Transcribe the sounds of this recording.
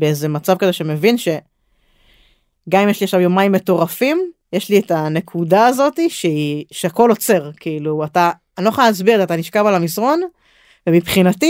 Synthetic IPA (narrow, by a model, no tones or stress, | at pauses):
beeze̞mat͡savkazeʃeme̞vinʃe̞ | ɡamimjeʃliaʃavjomaimːe̞to̞ʁafimjeʃlietane̞kʰudaːzo̞t̪iʃeiʃeako̞lo̞t͡se̞ʁkʰiiluat̪aː | niloχoalnazbiʁtat̪aniʃkavalamisʁo̞n | vemipχinat̪i